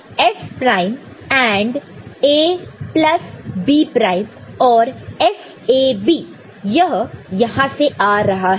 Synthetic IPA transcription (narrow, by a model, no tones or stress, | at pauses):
ɛspɾaːɪm | ɛ̃ːɳɖeːplɐsbiːpɾaːɪmɔːɾɛs | eːbiː | jɐɦjɐɦãseʔaːɾɐɦaɦ